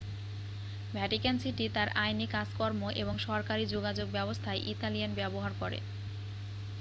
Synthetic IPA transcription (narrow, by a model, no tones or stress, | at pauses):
bʱɛʈikansiʈit̪aɾajnikad͡ʑkɔɾmoʔḛboŋʃɔɾkaɾid͡ʑoɡad͡ʑoɡ̚bɛbost̪ʰaeʔit̪alianbɛboɦaɾkoɾḛ